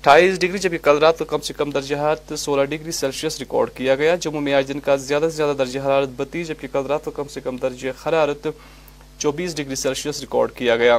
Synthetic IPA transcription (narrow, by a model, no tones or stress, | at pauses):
ʈʰaːiːsɖɪɡɾid͡ʒɐb̚kekɐlɾaːt̪kokɐmsekɐmd̪ɐɾd͡ʒeɦaːt̪soːlaɖɪɡɾisɛlʃijəsɾɪkɔ̰ːɾɖkijaɡɐjad͡ʒʊmumẽaːd͡ʒd̪ɪnkazɪjaːd̪azjaːd̪ad̪ɐɾd͡ʒexɐɾaːɾət̪̚bɐt̪id͡ʒɐb̚kekɐlɾaːt̪kokɐmsekɐmd̪ɐɾd͡ʒexɐɾaːɾət̪ | t͡ʃɔːbiːs̬ɖɪɡɾisɛːlʃijəsɾɪkɔ̰ːɾɖkijaɡɐjaː